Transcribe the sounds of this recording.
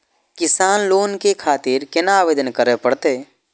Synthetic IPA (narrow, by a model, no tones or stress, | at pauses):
kɪsaːnloːnkekʰaːt̪iɾkɪnaːʋeːd̪ənkəɾepəɽt̪eː